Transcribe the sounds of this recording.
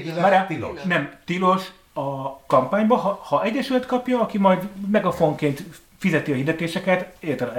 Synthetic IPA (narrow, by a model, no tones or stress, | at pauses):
ɾanɛmt̪ilo̞ʃ | ɒkɒmpaːɲbɒɦɒhɒʔɛɟːɛʃylɛt̪kɒpjɒɒkimɒjd̪mɛɡɒfo̞ŋkeːnt̪ | fizɛt̪iɒhid̪ɛt̪eːʃɛkɛt̪et̪ɛ